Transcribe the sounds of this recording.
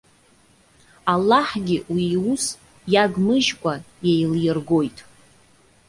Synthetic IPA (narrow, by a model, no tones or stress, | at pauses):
alːaħɡʲɪwiwus | jaɡmɨʒkʷʼa | jejljɪrɡo̞jtʼ